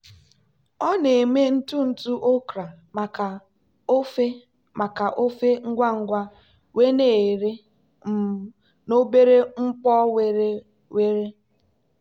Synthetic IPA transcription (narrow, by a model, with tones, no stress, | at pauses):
ɔ˦ne˨me˦n̩˦tu˦n̩˨tu˦ʔo˦kɾa˨ | ma˨ka˨ | o˦fe˦ | ma˨ka˨ʔo˦fe˦ŋ̩˦ɡʷa˦ŋ̩˦ɡʷa˦ | we˦ne˨ɾe˦ | m̩˨ | no˦be˦ɾe˦ŋ͡m̩˦pɔ˦we˦ | we˦ɾe˦